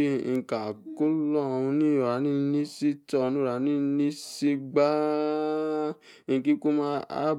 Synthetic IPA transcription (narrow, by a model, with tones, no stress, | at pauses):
ŋ̩˨ka˨ko˦lɔ˦˨˧ũ˧nĩ˦˨ɾa˨˦nĩ˦nĩ˦si˦tɔ˦˨˧nũ˦˨ɾa˨˦nĩ˦nĩ˦si˦ɡ͡ba˦˧˨ | ki˦ko˦mã˦a̰˦